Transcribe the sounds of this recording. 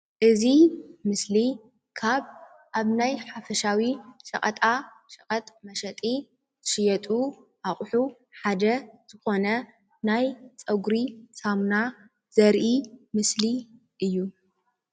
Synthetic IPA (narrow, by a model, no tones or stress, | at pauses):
ʔɨzimɨsli | kʰaβ | ʔaβnajħafɐʃawiʃɐ̰kʼɐt̪ʼa | ʃʼɐkʼɐt̪ʼmɐʃɐt̪ʼi | zɨʃɪjɐt̪ʼuʔaχʼħu | ħad̪ɐz̥ɨxo̞nɐ | najt͡sʼɐɡɾisamna | z̥ɐɾʔimɨsli | ʔɨjːu